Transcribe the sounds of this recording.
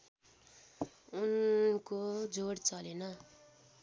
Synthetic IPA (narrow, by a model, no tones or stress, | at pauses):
unkod͡zoɽt͡sʌlenʌ